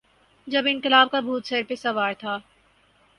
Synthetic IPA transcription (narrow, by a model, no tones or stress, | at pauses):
d͡ʒɐbɪ̃nkɪlaːb̚kabʱuːt̪sɛːɾpesɐʋaːɾt̪ʰaː